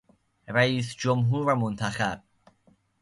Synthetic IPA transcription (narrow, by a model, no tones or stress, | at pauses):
ɾæiːsd͡ʒomɦuːɾvæmont̪ʰæxæb̥̚